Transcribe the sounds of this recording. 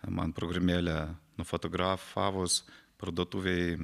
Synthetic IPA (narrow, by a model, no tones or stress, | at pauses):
mɐ̰npɾoɡɾɐmʲeːlʲɛnʊfot̪oɡɾɑːfɑːʋʊspɾɐd̪oɔt̪uːʋʲɛɪ